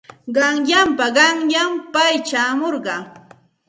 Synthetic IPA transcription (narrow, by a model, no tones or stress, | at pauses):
ɢɑŋjampaɢɑŋjampajt͡ʃaːmoɾɢɑ